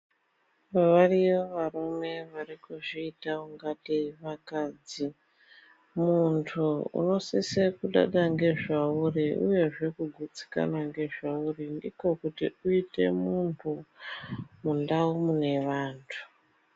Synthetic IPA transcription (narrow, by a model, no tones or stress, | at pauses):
ʋaʋariʋoʋarume̞ʋarikuʐiːtauŋɡatiʋakaːd͡zi | muntʰuṵno̞sisekuɗa̰ɗaŋɡe̞ʐauriṵje̞ʐe̞kuɡʱut͡si̥ka̰naŋɡe̞ʐaurindiko̞kutḭuite̞̰munpʰu | mundaumune̞ʋaːntʰu̥